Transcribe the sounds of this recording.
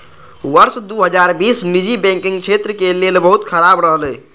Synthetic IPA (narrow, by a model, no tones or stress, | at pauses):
ʋəɾsd̪uɦəd͡ʒaɾbisnid͡ʒibɛ̃ŋkĩŋɡt͡ʃʰet̪ɾəkelelbəɦut̪kʰəɾabɾəɦlɛj